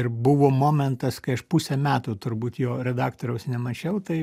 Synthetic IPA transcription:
ɪrbʊʋoːmoːmʲɛnt̪ɐskɐɪɐʃpusʲɛmʲæːt̪uːt̪ʊɾbuːt̪joːɾʲɛd̪ɑːkt̪oːɾʲɛʊsnʲɛmɐt͡ʃʲɛʊt̪ɐɪ

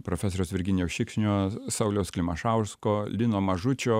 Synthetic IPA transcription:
pɾoːfʲɛs̬oːɾʲoʊsʋʲɪɾʲɡʲɪnʲɪjoːʃʲɪkʃʲnʲoːsɐʊlʲɛʊsklʲɪmɐʃɐʊskoːlʲɪnoːmɐʒʊt͡ʃʲoː

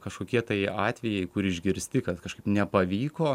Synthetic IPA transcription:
kɐʃkoːkʲiɛt̪ɐɪɑːt̪ʲʋʲɛjɛɪkʊɾɪʒʲɡʲɪɾʲsʲt̪ʲɪkɐt̪kɐʃkɐɪpnʲɛpɐʋʲiːkoː

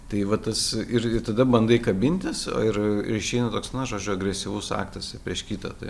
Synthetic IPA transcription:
t̪ɐɪʋɐt̪ɐsɪɾɪt̪ɐd̪ɐbɐnd̪ɐɪkɐbʲɪnʲt̪ʲɪso̰ːɪrɪ̰ɾɪʃʲɛɪnɐt̪oːksnɐʒoːd͡ʒʲʊɐɡɾʲɛsʲɪʋʊsɑ̰ːkt̪ɐsɪpʲɾʲiɛʃkʲit̪ɐ̰t̪ɐɪ

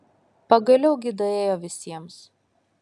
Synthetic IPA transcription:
pɐɡɐlʲɛʊɡʲɪd̪ɐeːjoːʋʲɪsʲiɛms

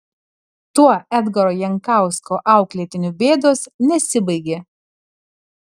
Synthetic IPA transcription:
t̪uɔɛd̪ɡɐɾoːjɛŋˑkɑˑʊskoːʔɑˑʊklʲeːt̪ʲɪnʲʊbʲeːd̪oːsnʲɛsʲɪbɐɪɡʲeː

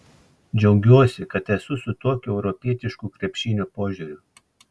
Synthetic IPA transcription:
d͡ʒʲɛʊɡʲuɔsʲɪkɐt̪ɛsʊsʊt̪uɔkʲuɛʊɾɔpʲiɛt̪ʲɪʃkuːkɾʲɛpʲʃʲɪnʲuːpoːʒʲuɾʲʊ

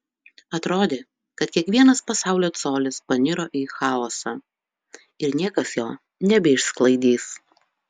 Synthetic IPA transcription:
ɐt̪ɾoːd̪ʲeː | kɐt̪kʲiɛkʋʲiɛnɐspɐsɑˑʊlʲoːt̪soːlʲɪspɐnʲɪɾoːʔiːxɑːɔːsɑː | ɪɾnʲiɛkɐsjoː | nʲɛbʲɛɪʃsklˠɐɪd̪ʲiːs

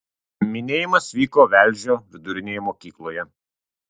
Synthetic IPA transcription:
mʲɪnʲeːjɪmɐsʋʲiːkoːʋʲæˑlʲˑʒʲoːʋʲɪd̪ʊɾʲɪnʲeːjɛmoːkʲiːklˠoːjɛ

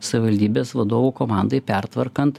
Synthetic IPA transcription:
sɐʋʲɪʋɐlʲd̪ʲiːbʲeːsʋɐd̪oːʋuːkoːmɑˑnd̪ɐɪpʲæɾt̪ʋɐɾkɐnt̪

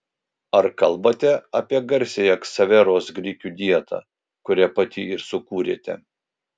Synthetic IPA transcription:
ɐɾkɐlˠbɐt̪ʲɛɐpʲiɛɡɐɾʲsʲejɛksɐʋʲɛɾoːsɡɾʲiːkʲuːd̪ʲiɛt̪ʰɑ̰ː | kʊɾʲæpɑt̪ʲiːɪɾsʊkuːɾʲḛːt̪ʲɛ̰

